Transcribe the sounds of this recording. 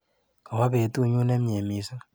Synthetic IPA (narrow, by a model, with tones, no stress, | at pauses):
ka˨wa˦pe˨tu˦ɲu˦nɛ˦mje˨mi˨sɨ˦